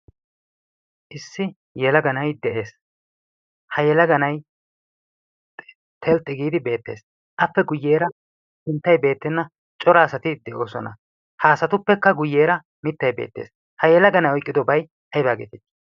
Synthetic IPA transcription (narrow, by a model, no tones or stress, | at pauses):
ʔɪsːɪ | jɛlɐɡɐnɐjd̪ɛʔe̞ːs | hɐjɛlɐɡɐnɐj | t̪ʰɛlt̪ʼːɪɡiːd̪ɪbe̞ːt̪ːeːs | ʔɐpːɛɡʊjːe̞ːɾɐ | sɪnt̪ːɐjbe̞ːt̪ːɪnːɐ | t͡ʃʼɔɾaːsɐt̪ɪd̪ɛʔo̞ːsɔnɐ̰ | haːsɐt̪ʊpːɛkːɐɡʊjːe̞ːɾɐ | mɪt̪ːɐjbe̞̰ːt̪ːḛːs | hɐjɛlɐɡɐnɐjɔjkʼːɪd̪ɔbɐj | ʔɐjbaːɡḛt̪ɪt̪ː